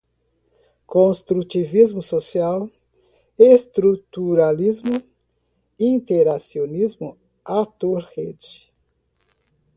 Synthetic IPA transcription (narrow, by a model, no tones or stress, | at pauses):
kõst̪ɾut͡ʃivizmʊsosiaw | est̪ɾut̪uɾalizmʊ | ĩnt̪eɾasionizmʊ | at̪oɾhed͡ʒɪ